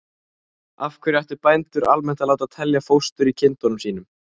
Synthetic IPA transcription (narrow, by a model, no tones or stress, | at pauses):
a̰fkʰvɛɾiaht̪ʏɾpajnt̪ʏɾʔalmɛn̥t̪alaːwt̪aðt̪ʰɛljafowst̪ʏɾicʰɪnt̪ɔnʏmsiːnʏm